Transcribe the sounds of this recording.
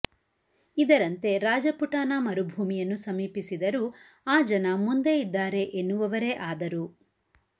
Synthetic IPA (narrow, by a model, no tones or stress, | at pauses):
id̪ɐɾɐnt̪e̞ɾaːd͡ʒɐpuʈaːnaːmɐɾubʱuːmijɐnːusɐmiːpisid̪ɐɾu | aːd͡ʒɐnɐmund̪e̞id̪ːaːɾe̞ʔenːuʋɐʋɐɾe̞ʔaːd̪ɐɾu